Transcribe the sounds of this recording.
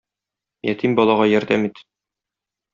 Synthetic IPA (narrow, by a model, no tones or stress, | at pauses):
jæt̪ʰimbɒlˠɑʁɑjɒɾd̪æmit̪